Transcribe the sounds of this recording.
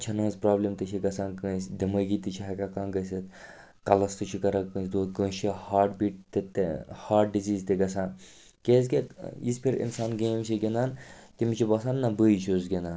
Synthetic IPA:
t͡ʃʰɐnoːzpɾaːblimt̪ɨt͡ʃʰiɡɐsãːnkəːsd̪ɐmɐɡit̪it͡ʃʰiɦɐkʲakaːnɡɐsɐt̪ | kɐlɐst̪ɨt͡ʃʰikɐɾɐkə̃ːsd̪oːt̪kəːt͡ʃihaːʈbiʈ̚t̪et̪haːʈ̚ɖiziːzt̪eɡɐsãːn | keːz̬ɡʲeispʰiɾḭnsaːnɡeːmsiɡʲenaːnt̪imit͡ʃʰibɐsaːnːɐbəit͡ʃʰoːzɡʲenaːn

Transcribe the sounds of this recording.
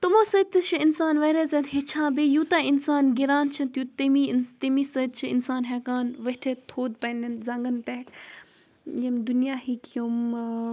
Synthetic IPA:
t̪umõːsət̪ːɨt͡ʃʰiinsaːnʋɐɾeːzɐt̪ɦet͡ʃʰãːbejuːt̪aːinsaːnɡiɾaːnt͡ʃʰɐnt̪juːt̪imit̪imiːsɐd̪̚t͡ʃʰiḭnsaːnɦekaːnʋɐt̪ʰet̪ʰoːd̪̚pɐnd̪ɐnzɐŋɡənt̪ek | jɐmd̪unjaːhikjum

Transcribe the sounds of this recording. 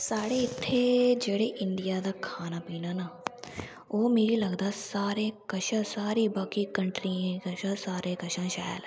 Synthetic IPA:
saːɽeːɪt̪ʰːeːd͡ʒeːɽeːʔɪɳɖɪjaːd̪aːkʰaːnaːpiːnaːnaː | oːmeːɾiːləɡd̪aːsaːɾeːkəʃãːsaːɾiːbaːkiːkəɳʈɾiːẽːkəʃãsaːɾeːkəʃãːʃaːl

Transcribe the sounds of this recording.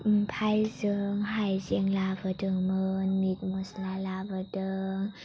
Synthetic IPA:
pʰajsɯːŋhajsiəŋlaːvəːdəːŋmɯnmit̪̚muslaːlaːvɯdɯŋ

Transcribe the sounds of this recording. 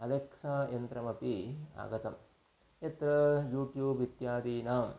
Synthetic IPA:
ɐleksaːjɐnt̪ɾɐmɐpia̰ːɡɐt̪ɐm | et̪ɾɐjuːʈjuːbit̪jaːd̪iːnaːm

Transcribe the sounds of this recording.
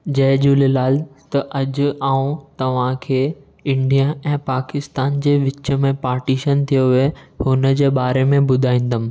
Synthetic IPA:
d͡ʑɐɦd͡ʑuːlelaːlt̪ɐʔɐd͡ʑʊ̆aːũt̪ɐʋ̤ãkʰeː | ɪ̃ɳɖijaʔɛ̃ːpaːkɪst̪aːnd͡ʑeːʋɪt͡ɕə̆mẽpaːɾʈiːʃənt̪ʰijoɦehʊnəd͡ʑeːbaːɾemẽbʊd̪ʱaːĩːn̆d̪əm̆

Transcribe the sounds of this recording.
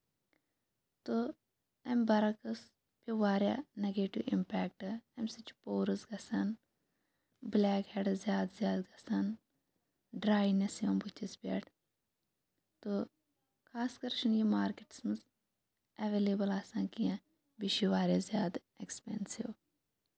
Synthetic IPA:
t̪o | ɐmbɐɾɐkɐs | pʲiʋaːɾjaːneɡeːʈiʋḭmpɛːk̚ʈɨɐmʲsit͡ʃu̥poːɾɨsɡɐsɐn | blɛːkheːɖzʲjaːd̪zjaːd̪ɡɐsɐn | ɖɾaːjnɐsiɐmbut͡ʃʰispʲḛːʈʰ | t̪o | kʰaːskɐɾʃɐnjimaːɾkeʈi̥smɨs | ɐʋeːleːbɐlaːsãːnkijã | biʃiʋaːɾʲjazjaːd̪ | ekspensiʋ

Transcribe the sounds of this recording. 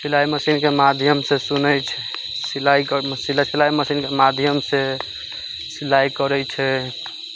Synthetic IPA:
silajməsinkemad̪ʱjəmsesunət͡ʃʰɛ | silajksilasilajməsinkemad̪ʱjəmse | silajkəɾɛt͡ʃʰɛ

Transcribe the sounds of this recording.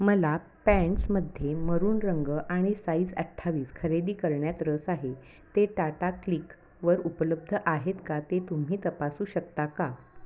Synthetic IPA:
məla | pɛ̃ɳʈsməd̪ʱːjeməɾuːnɾəŋɡəʔaɽ̃isaid͡zəʈʰːaʋiːskʰəɾeɽiːkəɾɳjat̪ɾəsaɦe | t̪eʈaʈaklik | ʋəɾupələb̚d̪ʱəʔaɦet̪kat̪et̪um̤iːt̪əpasuːɕək̚t̪aka

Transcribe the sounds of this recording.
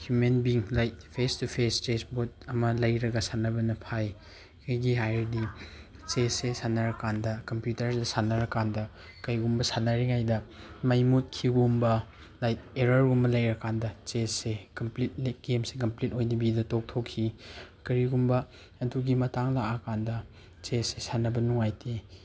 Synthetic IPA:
hjumenbiŋlajt̚pʰestupʰestesbot̚ɐmɐlɐjɾɐɡɐsanɐbɐnɐpʰaj | kʰɐjɡiɦajɾdi | t͡ʃesesanɐɾɐkandɐkɐmpjutɐɾsesanɐɾɐkandɐ | kɐjɡumbɐsanːɐɾiŋajdɐ | mɐjmut̚kʰiɡumbɐ | lajeɾɐɾumbɐlɐjɾɐkandɐt͡ʃessekɐmplit̚leɡemsekɐmplit̚ojnibidɐtok̚tʰokʰːikɐɾiɡumbɐ | ɐduɡimɐtaŋlakakandɐ | t͡ʃessesanɐbɐnuŋajti

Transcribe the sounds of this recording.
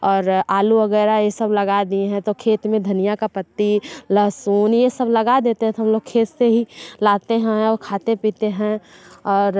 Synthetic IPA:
ɔːɾaːluʋɐɡɛːɾajesɐblɐɡad̪ieɦɛ̃t̪okʰeːt̪mẽd̪ʱɐnijakapət̪ːilɐɦsuːnjesəblɐɡad̪eːt̪eɦɛ̃t̪oɦɐmloːɡ̚kʰeːt̪seɦilaːt̪eɦɛ̃ɔkʰaːt̪epiːt̪eɦɛ̃ɔːɾ

